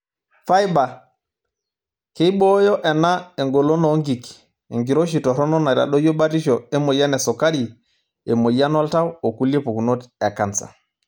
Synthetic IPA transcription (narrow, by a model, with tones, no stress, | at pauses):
fa˦jba˨ | ke˦i˦ɓo˦jɔ˦ʔɛ˨na˦e˨ŋɡo˨lo˦no˨ŋɡi˨k | ḛ˨ŋɡi˨ɾo˦ʃi˨tɔ˨ɾɔ˦nɔ˦na˨ɾa̰˨ɗo˦jo˦ɓa˦ti˦ʃo˨ɛ˦mo˨ja˦nɛ˨so˨ka˦ɾi˨ | e˨mo˨ja˦nɔ˦lta˦wo˨ku˦li˦e˦po˨ku˨no˦ta˨ka˨nsa̰˨